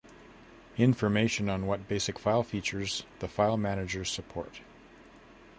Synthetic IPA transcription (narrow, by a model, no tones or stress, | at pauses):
ɪ̃ɱfə˞meɪʃɨ̃nə̃nwʌt̚b̥eɪsɨkfaɪlˠfit͡ʃə˞zðəfaɪlˠmænɨd͡ʒə˞z̥səpʰɔ̰ɹt